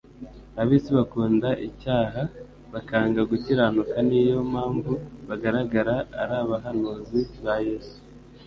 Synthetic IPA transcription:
aβiːsiβakuːndaʔicaːɦa | βakaːŋɡaɡutiɾanukanijo̞mhaːɱvuβaɡaɾaɡaɾa̰ːɾaːβaɦanuːziβajeːsu̥

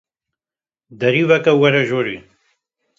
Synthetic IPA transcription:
d̪ɐɾiβɐkɐwɐɾɐʒoɾi

